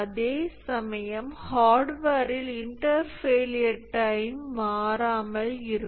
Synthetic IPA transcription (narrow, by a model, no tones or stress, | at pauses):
ɐðeːsɐmɐjɐmhaːɾɖʋaːɾɪlɪɳʈɐɾfeːlɪjɐɾʈːɐɪmʋaːɾaːmɐlɪɾɯ